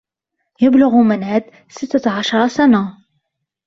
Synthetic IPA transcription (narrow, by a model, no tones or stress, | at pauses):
jəblʊɣumənhæd̪ | sət̪ːaʕaʃɾˤɑsana